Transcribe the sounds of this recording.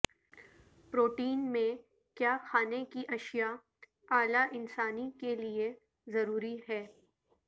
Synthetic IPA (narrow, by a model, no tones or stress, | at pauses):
pɾoːʈiːnmẽ | kjaːxaːnekiʔɐʃija | aːlaʔɪnsaːnikelie | zɐɾuːɾiɦɛː